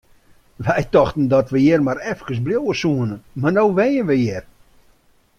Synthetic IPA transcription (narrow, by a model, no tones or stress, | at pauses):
ʋɛjtɔxtən̩dɔtʋəjɪrmaɾɛfkəs̬bljowəsuənəmarnowʋɛjənʋəjɪr